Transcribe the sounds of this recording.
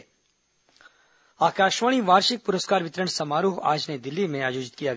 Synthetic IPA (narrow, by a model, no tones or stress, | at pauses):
aːkaːʃʋaːɽ̃iʋaːɾʃɪk̚pʊɾəskaːɾʋɪt̪ɾəɳ̃sɐmaːɾuːɦa̰ːd͡ʒned̪ɪlːimẽaːjoːd͡ʒɪt̪kijaɡ